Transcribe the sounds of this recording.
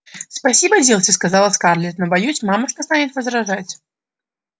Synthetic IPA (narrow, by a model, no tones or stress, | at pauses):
spasʲibədʲelˠtʲɪskazalˠəskarlʲɪt̪nəbajusʲmamɐʂt̪ɔst̪anʲɪt̪vəzɾaʐat͡sʲ